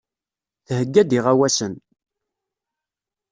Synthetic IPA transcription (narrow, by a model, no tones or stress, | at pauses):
θhəɡːæd̪iʁæwæsən